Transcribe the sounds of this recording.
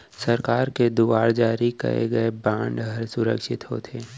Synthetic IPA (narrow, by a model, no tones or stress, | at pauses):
sɐɾkaːɾked̪uʋaːɾd͡ʒaːɾikɐ̰ḛɡɐebãːɳɖɦɐɾsʊɾə̰kʃɪt̪ɦo̰ːt̪ʰeː